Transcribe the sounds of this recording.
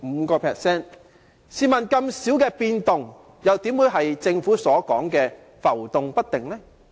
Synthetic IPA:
m̩˨˧kɔː˧pʰɛː˨k̚sɛː˥n | siː˨mɐ˨˩nkɐ˧msi˨˥wkɛː˧piː˧nt̪ʊ˨ŋ | jɐ˨wt̪iː˨˥mwuː˨˧jɦɐ˨jt͡sɪ˧ŋfuː˨˥sɔː˨˥kɔː˨˥ŋkɛː˧ | fɐ˨˩wt̪ʊ˨˧ŋpɐ˥t̚t̪ɪ˨ŋlɛ˥

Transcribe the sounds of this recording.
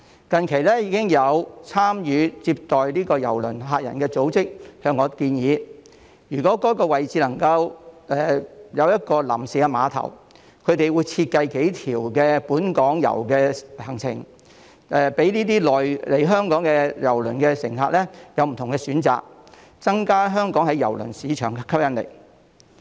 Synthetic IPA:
kɐ˨nkʰe˨˩jlɛː˥jiː˧kɪ˥ŋjɐ˨˧wt͡sʰaː˥mjyː˨˧t͡siː˧p̚t̪ɔː˨jliː˥kɔː˧jɐ̰˨˩wlɵ̰˨˩nɦaː˧t̚jɐ̰˨˩nkɛː˧t͡so˨˥wt͡sɪ˥k̚hœː˧ŋːɔː˨˧kiː˧njiː˨˧ | jyː˨˩kɔː˨˥kɔː˨˥kɔː˧wɐ˨jt͡siː˨˧lɐ˨˩ŋkɐ˧wʔɛː˨˩jɐ˨˧wjɐ˥t̚kɔː˧lɐ̰˨˩msiː˨ɡɛ˧maː˨˧t̪ʰɐ̰˨˩w | kʰɵ˨˧ɥt̪e˨jwuː˨˧jt͡sʰiː˧t̚kɐ˧jke˨˥jt̪ʰiː˨˩wkɛː˧puː˨˥nkɔː˨˥ŋjɐ̰˨˩wkɛː˧hɐ˨˩ŋt͡sʰɪ˨˩ŋ | ʔɛ˨pe˨˥jniː˥t̪iː˥lɔː˨jle˨˩jɦœː˥ŋkɔː˨˥ŋkɛ˧jɐ˨˩wlɵ˨˩nkɛː˧sɪ˨˩ŋhaː˧t̚lɛ˥jɐ˨˧wm̩˨t̪ʰʊ˨˩ŋkɛ˧syː˨˥nt͡sa̰ː˨k̚ | t͡sɐ˥ŋkaː˥ɦœː˥ŋkɔː˨˥ŋhɐ˨˥jɐ˨˩wlɵ̰˨˩nsiː˨˧t͡ʃʰœː˨˩ŋkkʰɐ˥p̚jɐ˥nlḛ˨˩j

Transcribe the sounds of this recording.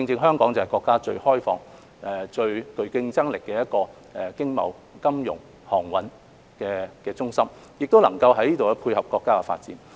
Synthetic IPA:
ɪ˧ŋt͡sɪ˧ŋɦœː˥ŋkɔː˨˥ŋt͡sɐ˨˩hjkʷɔː˧kːaː˥t͡ʃɵ˧ɥhɔː˥jfɔ̰ː˨˧ŋ | ɛ˨˩t͡ʃɵ˧ɥkɵ˧ɥkɪ˧ŋt͡sɐ˥ŋlɪ˨kːɛː˧jɐ˥t̚kɔː˧ | ɛ˨kɪ˥ŋmɐ̰˨w | kɐ˥mjʊ̰˨˩ŋ | hɔː˨˩ŋwɐ˨˥n | kɛː˧kɛː˧t͡sʊ˥ŋsɐ˥m | jɪ˨k̚t̪o˥wlɐ˨˩ŋkɐ˧wɦɐ˨˥jniː˥t̪o˨wkɛ˧˥pʰuː˧jhɐ˨p̚kɔː˧kːaː˥kɛ˧fa̰ː˧t̚t͡siː˨˥n

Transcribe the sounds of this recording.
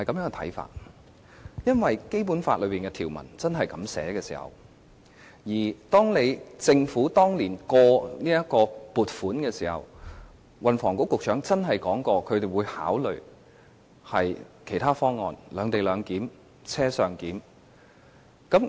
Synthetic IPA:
hɐ˨jkɐ˨˥mjœː˨˥kɛ˧t̪ʰɐ̰˨˥jfa̰ː˧t̚ | jɐ˥nwɐ˨jke˥jp̬u˨˥nfaː˧lɵ˨˧ɥpiː˨nkɛ˧t̪ʰiː˨˩wmɐ̰˨˩nt͡sɐ˥nɦɐ˨jkɐ˨˥msɛ̰ː˨˥kɛː˧sḭː˨˩hɐ̰˨˩w | jiː˨˩t̪ɔː˥ŋne˨˧jt͡sɪ˧ŋfuː˨˥t̪ɔː˥ŋliː˨˩nkɔː˧niː˥jɐ˥kɔː˧puː˨t̚fuː˨˥nkɛː˧siː˨˩hɐ̰˨w | wɐ˨nfɔː˨˩ŋkʊ˨˥kːʊ˨k̚t͡ʃʰœː˨˥ŋt͡sɐ˥nɦɐ˨˩jkɔː˨˥ŋkɔː˧kʰɵ˨˧ɥt̪e˨jwuː˨˧jha̰ː˨˥wlɵ˨˩ɥ | hɐ˨jkʰe˨˩t̪ʰaː˥fɔː˥ŋːɔ̰ː˨nlœː˨˧ŋt̪e˨jlœː˨˧ŋkiː˨˥m | t͡sʰɛː˥sœː˨˧ŋkiː˨˥m | kɐ˨˥m

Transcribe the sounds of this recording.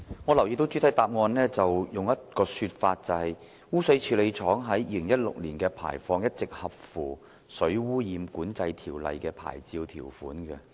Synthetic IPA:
ŋɔ˨˧lɐ˨˩wjiː˨˧t̪o˧˥wt͡ʃy˨˥t̪ʰɐ˥jt̪aː˨p̚ŋɔː˧nlɛː˥t͡sɐ˨wjʊ˨ŋjɐ˥t̚kɔː˧syː˧t̚faː˧t̚t͡sɐ˨˧hɐ˨j | wuː˥sɐ˧˥jt͡ʃʰyː˨˧le˨˧jt͡ʃʰɔː˨˥ŋɦɐ˨˥jːiː˧lɪ˨˩ŋjɐ˥t̚lʊ̰˨k̚lḭː˨˩nkɛː˧pʰa̰ː˨˩jfɔː˧ŋjɐ˥t̚t͡sɪ˨k̚hɐ˨p̚fuː˨˩ | sɵ˨˥ɥwuː˥jiː˧mkuː˨˥nt͡sɐ˧jt̪ʰiː˨˩wlɐ̰˨jkɛː˧pʰa̰ː˨˩jt͡siː˧wt̪ʰiː˨˩wfuː˨˥nkɛ˧

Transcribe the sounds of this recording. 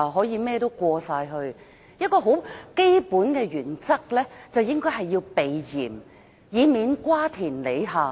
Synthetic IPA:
ɦɔː˨˥jiː˨˧mɛː˥t̪o˥wkʷɔː˧saː˧jɦɵ˧ɥ | jɐ˥t̚kɔː˧ɦo˨˥wke˥jpuː˨˥nkɛː˧ɥyː˨˩nt͡sɐ˥k̚lɛː˥t͡sɐ˨wjɪ˥ŋkɔː˥jɦɐ˨jːi˧wpe˨jjiː˨˩m | jiː˨˧miː˨˧nkwaː˥t̪ʰiː˨˩nle˨˧jɦaː˨˩

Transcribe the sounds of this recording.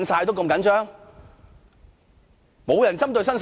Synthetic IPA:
nsaː˧jt̪o˥wko˧mkɐ˨˥nt͡ʃœː˥ŋ | mo˨˧wjɐ˨˩nt͡sɐ˥mt̪ɵ˧ɥsɐ˥ns

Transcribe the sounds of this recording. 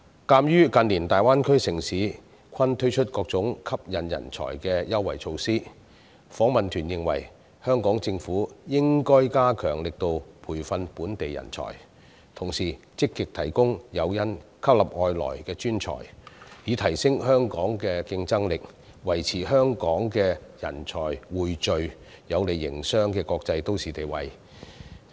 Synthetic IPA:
kaː˧mjyː˥kɐ˧nliː˨˩nt̪aː˨jwaː˥nkʰɵ˥ɥsɪ˨˩ŋsiː˨˥ | kʰɐ˥nt̪ʰɵ˥ɥt͡ʃʰɵ˥t̚kɔː˧k̚t͡sʊ˨˥ŋkʰɐ˥p̚jɐ˨njɐ̰˨˩nt͡sʰɔ̰ː˨˩jkɛː˧jɐ˥wːɐ̰˨˩jt͡ʃʰo˧wsiː˥ | fɔː˨˥ŋmɐ˨nt̪ʰyː˨˩njɪ˨˧ŋwɐ̰˨˩j | hœː˥ŋkɔː˨˥ŋt͡sɪ˧ŋfuː˨˥jɪ˥ŋkɔː˥jkaː˥kʰœː˨˩ŋlɪ˨k̚t̪o˧wpʰuː˨˩jfɐ˧npuː˨˥nt̪e˨jjɐ̰˨˩nt͡sʰɔ̰ː˨˩j | t̪ʰʊ˨˩ŋsiː˨˩ | t͡sɪ˥kːɪ˨k̚t̪ʰɐ˨˩jkʊ˥ŋjɐ˨˧wjɐ˥nkʰɐ˥p̚lɐ˨p̚ŋɔː˧jlɔ̰ː˨˩jkɛː˧t͡ʃyː˥nt͡ʃʰɔ̰ː˨˩jjiː˨˧t̪ʰɐ˨˩jsɪ˥ŋhœː˥ŋkɔː˨˥ŋkɛː˧kɪ˧ŋt͡sɐ˥ŋlɪ˨k̚ | wɐ˨˩jt͡sʰiː˨˩ɦœː˥ŋkɔː˨˥ŋkɛː˧jɐ̰˨˩nt͡sʰɔː˨˩jwuː˨˩jt͡ʃɵ˨˧ɥ | jɐ˨˧wle˨˩jːɪ̰˨˩ŋsœː˥ŋkɛː˧kɔː˧k̚t͡sɐ˧jt̪o˥wsiː˨t̪e˨jwɐ˨j

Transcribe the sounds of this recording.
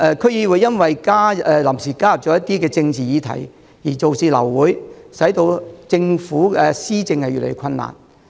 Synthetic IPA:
ʔɛː˧kʰɵ˥ɥjiː˧wuː˨˧jːɐ˥nwɐ˨jkaː˥ɛː˨lɐ˨˩msiː˨˩kaː˥jɐ˨p̚t͡ʃɔː˨˥jɐ˥t̪ːiː˥kɛː˧t͡sɪ˧ŋt͡siː˨jiː˨˧t̪ʰɐ̰˨˩j | jiː˨˩t͡so˨wsiː˨lɐ̰˨˩wwuː˨˥jsɐ˨˥jt̪o˧wt͡sɪ˧ŋfuː˨˥ɛ˧siː˥t͡sɪ˧ŋhɐ˨jy˨lḛ˨jy˧˥kʰɐ˧nːa̰ː˨˩n

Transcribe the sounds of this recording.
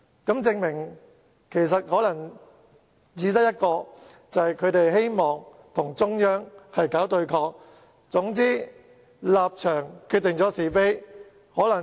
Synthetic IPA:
kɐ˨˥mt͡sɪ˧ŋmɪ˨˩ŋ | kʰe˨˩js̬ɐ˨t̚hɔː˨˥lɐ˨˩ŋ | jiː˨˧t̪ɐ˥k̚jɐ˥t̚kɔː˧t͡sɐ˨hɐ˨jkʰɵ˨˧t̪e˨jɦe˥jmɔː˨ŋ | t̪ʰʊ˨˩ŋt͡sʊ˥ŋjœː˥ŋhɐ˨jkaː˨˥wt̪ɵ˧ɥkʰɔː˧k̚ | t͡sʊ˨˥ŋt͡siː˥ | laː˨p̚t͡ʃʰœː˨˩ŋkʰyː˥˧t̪̚ːɪ˨ŋt͡sɔː˨˥siː˨˩fe˥j | hɔː˨˥lɐ˨˩

